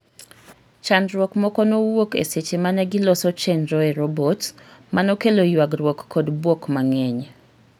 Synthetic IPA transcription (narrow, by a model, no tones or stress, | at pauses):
t͡ʃandɾwɔkmɔkɔnowokḛset͡ʃemanɛɡɪlɔsɔt͡ʃenɾɔeɾɔbɔtmanɔkelojwaɡɾwɔkːɔdbwokmaŋɛɲ